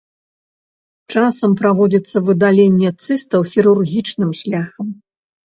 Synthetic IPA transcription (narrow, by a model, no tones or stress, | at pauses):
t͡ʂasɐmpɾavɔd͡zʲɐt̪sːɐvɨd̪alʲenʲːɛt̪sɨst̪ɐwxʲiɾurɣʲit͡ʂnɨmɕʲlʲaxɐm